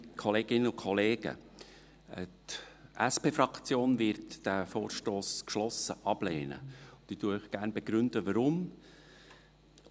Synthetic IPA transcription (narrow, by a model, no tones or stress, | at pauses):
kʰɔleːɡɪnːəʊkʰɔleːɡ̥ə̰ | ətʔæspeːfɾɑkt͡sjoːnvɪɾtd̥æfoːɾʃtoːskʃlɔsəʔɑb̥leːnə̰ʊ̥iːtuəœχɡ̥æːɾnbɛɡ̥ɾʏnd̥̪əʋəɾʊm